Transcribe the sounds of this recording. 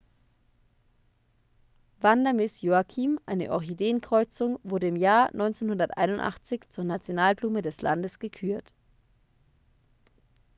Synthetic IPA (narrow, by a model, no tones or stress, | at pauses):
vandɐmɪsjoakʰiːmʔaɪnə̰ʔɔçideːənkʁ̥ɔʏt͡sʊŋvʊɐdəɪmjaːɐnʔɔʏnt͡seːnhʊndɐtʔa̰ɪnʊntʔa̰χt͡sɪçt͡suːɐnat͡sjonaːlbluːmədɛslʔa̰ndəsɡ̥əkʰyːɐt